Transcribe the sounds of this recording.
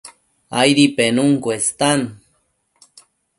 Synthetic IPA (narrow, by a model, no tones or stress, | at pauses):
ajɾipenuŋkwest̪an